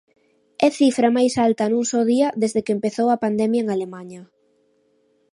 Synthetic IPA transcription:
ɛθifɾɐmajsalt̪ɐnũŋsoðiɐðezðekempeθowɐpand̪ɛmjɐeŋalemaɲɐ

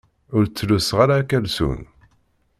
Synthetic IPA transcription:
ʊɾt͡sːlusʁaɾakælsṵn

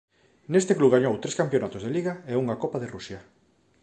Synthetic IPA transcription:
nest̪ekluβɣaɲowt̪ɾeskampjonat̪ozðeliɣaeuŋakopaðerusjɐ

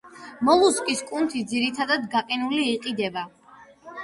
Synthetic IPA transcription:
mɔlˠuskʼiskʼunt̪ʰid̪ziɾit̪ʰad̪ad̪ɡaqʼinuliːqʼid̪ɛba

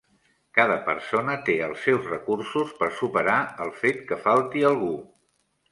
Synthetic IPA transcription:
kað̞əpə̰ɾsonət̪eəlˠsɛwzrəkursuspəɾsupəɾaəlˠfet̪kəfalˠt̪iəlˠɣ̞u

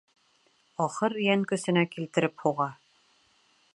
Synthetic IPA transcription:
ɒχɤɾjæŋkɵ̆sɘ̆nækilt̪ɘ̆ɾɘphuʁɑ

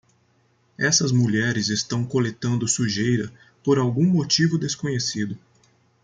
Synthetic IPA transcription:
ɛsɐzmuʎɛɾɪzest̪ɐ̃w̃kolet̪ɐ̃nd̪ʊsuʒejɾɐ | poɾawɡũmot͡ʃivʊd̪eskõɲesid̪ʊ

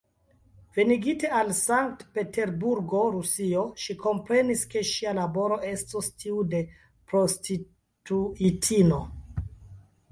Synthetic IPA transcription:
ve̞niɡite̞alsaŋk̚tpe̞te̞ɾbuɾɡo̞ɾusio̞ʃiko̞mpɾe̞niske̞ʃialabo̞ɾo̞ʔe̞stostʰiude̞ | pɾo̞stʰi | tuitʰino

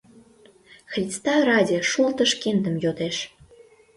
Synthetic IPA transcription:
xrʲist̪ɑɾɑdʲeʃult̪ə̆ʃkend̪ə̆mjot̪eʃ

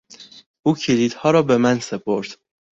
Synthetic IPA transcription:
ʔuːcʰiliːd̪̥hɒːɾɒːbe̞mænse̞pʰoɾd̪̥

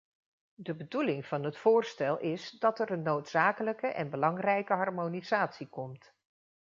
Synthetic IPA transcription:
dəbədulɪŋv̥ɑnɦətfʊːɹstɛlˠʔɪsdɑtɛrənːowtsaːkələkəʔɛ̰nbəlɑŋrɛjkəɦɑɹmoniz̥aːtsikɔmt

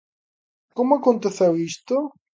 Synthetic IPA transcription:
komʊakõnt̪eθewist̪o

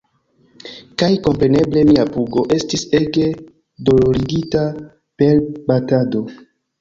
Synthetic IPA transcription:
kajko̞mpɾe̞ne̞ble̞miapuɡo̞ʔe̞stise̞ɡe̞ | do̞lo̞ɾiɡita | pe̞ɾbatado̞

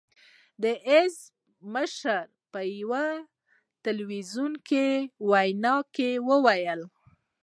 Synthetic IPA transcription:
d̪əʔɪz | məʃəɾ | pəjwa | t̪alwizunkewajnɑkewəwajəl

